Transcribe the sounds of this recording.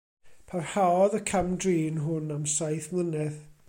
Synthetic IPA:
pʰarhaɔðəkʰamdriːnɦʊnamsajθmlˠənɛð

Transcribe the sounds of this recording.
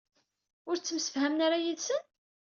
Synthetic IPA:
ʊɾt͡sːəmsə̥fhæmnaɾajiðsən

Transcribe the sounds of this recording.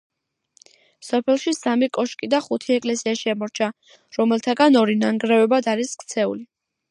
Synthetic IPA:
sɔpʰɛlˠʃisamikʼɔʃkʼid̪aχut̪ʰiɛkʼlɛsiaʃiamɔɾt͡ʃʰa | ɾɔmɛlˠt̪ʰaɡanɔɾinaŋɡɾɛvɛbad̪aɾiskʰt̪sʰɛṵli

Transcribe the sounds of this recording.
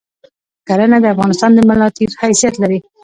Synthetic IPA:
kaɾənad̪əafɣɑnɪst̪ɑnd̪əmalɑt̪izhajsijat̪laɾi

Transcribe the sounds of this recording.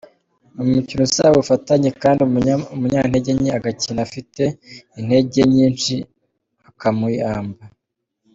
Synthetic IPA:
umucinusawufataɲekaːndiuumuɲaːn̥heɟeɲiaɡacinafite̞in̥he̞ɟeɲiːnt͡ʃi | akamuiaːmba

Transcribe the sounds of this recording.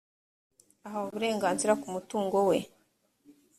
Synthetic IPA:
aɦauβuɾe̞ːŋɡaːnziɾakumutuːŋɡo̞we̞

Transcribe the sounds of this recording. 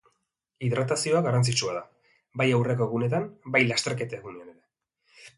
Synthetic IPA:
iðɾat̪asio̞aɣarant͡sit͡ʃuaða | bajawreko̞eɣune̞t̪̬ambajlast̪e̞ɾke̞t̪aeɣuneane̞ɾe̞

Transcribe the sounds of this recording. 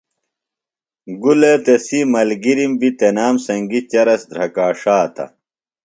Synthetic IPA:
ɡulet̪esimɐlɡiɾimbit̪enaːmsɐŋɡit͡ɕɐɾɐsd̪ɾɐkaːʂaːt̪ʰɐ̰

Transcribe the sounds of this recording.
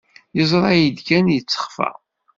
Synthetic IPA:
jəzˤɾˤɑjid̪kænjət͡sːə̥χfæ̰

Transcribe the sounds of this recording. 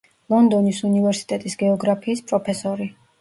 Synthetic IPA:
lˠɔnd̪ɔnisunivɛɾsi̥t̪ʼɛt̪ʼisɡɛɔɡɾapʰiːspʼɾɔpʰɛsɔɾi

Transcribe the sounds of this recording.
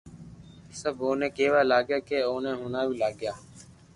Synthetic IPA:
səboːnẽːkeːʋaːlaːɡjaːkeːoːnẽːɦoːnaːbiːlaːɡɪjaː

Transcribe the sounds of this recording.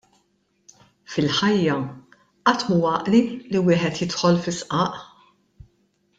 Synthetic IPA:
fɪlħɐjːɐ | ʔɐt̪muwɐːʔliliwɪːħɛt̪jɪt̪ħɔlfɪsʔɐːʔ

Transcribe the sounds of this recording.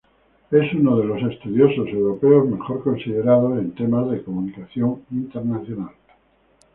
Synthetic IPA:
e̞sunoðe̞lo̞se̞st̪uðjo̞so̞se̞wɾo̞pe̞ozme̞xo̞ɾko̞nsiðe̞ɾað̞o̞se̞nt̪e̞mazðe̞ko̞munikaθjo̞ŋint̪e̞ɾnaθjonal

